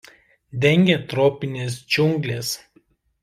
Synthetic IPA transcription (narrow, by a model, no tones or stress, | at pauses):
d̪ʲɛŋʲɡʲet̪ɾoːpʲɪnʲeːs̬d͡ʒʲʊŋɡlʲeːs